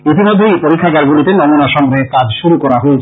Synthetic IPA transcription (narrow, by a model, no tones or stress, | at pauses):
it̪imod̪ʱːejpoɾikʰːaɡaɾɡulit̪enɔmunaʃɔmɾekad͡ʑʃuɾukɔɾaɦoet͡ɕʰ